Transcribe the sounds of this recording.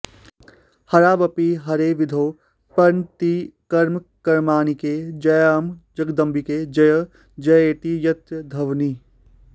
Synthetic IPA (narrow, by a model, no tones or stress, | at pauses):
hɐɾaːbɐpiɦɐɾeʋɪd̪ʱoː | pɐɾnt̪ikɐɾmkɐɾmaːniked͡ʒɐjaːmd͡ʒɐɡd̪ɐ̃mbiked͡ʒɐjə | d͡ʒɐjeːt̪ijɐt̪jəd̪ʱɐʋniː